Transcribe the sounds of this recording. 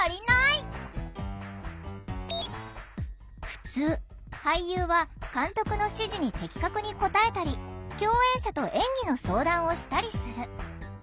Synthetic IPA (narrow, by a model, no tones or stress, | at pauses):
aɾʲinai | ɸɯ̟̥t͡sɨː | haijɯːβakãnt̪o̞kɯ̟no̞ɕɨʑiɲ̟it̪e̞kʲi̥kakɯ̟ɲ̟iko̞t̪ae̞t̪aɾʲikʲo̞ːẽ̞ɰ̃ɕat̪o̞ʔẽ̞ŋɡʲino̞so̞ːd̪ãɰ̃o̞ɕi̥t̪aɾʲisɨɾɯ̟